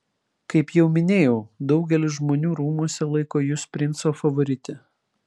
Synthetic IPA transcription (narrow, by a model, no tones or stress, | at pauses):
kɐɪpjɛʊmʲɪnʲeːjɛʊd̪ɒʊɡʲɛlʲɪsʒmoːnʲuːɾuːmuɔsʲɛlˠɐɪkoːjʊspʲɾʲɪnt̪soːfɐʋoːɾʲɪt̪ʲɛ